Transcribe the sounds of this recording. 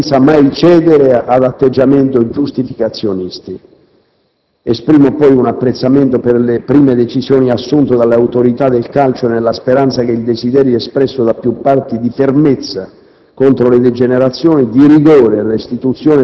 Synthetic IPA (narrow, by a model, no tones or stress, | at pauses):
nsamajt͡ʃɛːd̪eɾead̪at̪ːed͡ʒːament̪od͡ʒust̪ifikat̪sːjonist̪i | espɾiːmopɔjunapːɾet̪sːament̪operlepɾiːmed̪et͡ʃisjɔːniasːunt̪od̪alːeawt̪oɾit̪ad̪ːelkalt͡ʃonelːaspeɾant̪sak̟eild̪esid̪ɛːɾjiɛspɾɛsːod̪apːjupːart̪id̪ifermet̪sːa | kont̪ɾoled̪ed͡ʒeneɾat̪sːjɔːnid̪iriɡoːɾelest̪it̪ut̪sːjɔːn